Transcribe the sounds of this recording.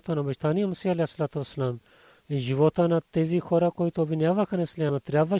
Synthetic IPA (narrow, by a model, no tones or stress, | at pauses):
t̪anabɐʃt̪anijamusialɛjsːɐlat̪uʋɐsːɐlam | iʒivɔt̪ənat̪ɛzixɔɾakoit̪oːbvinjavaxanɛslɛnɐt̪ɾʲjabva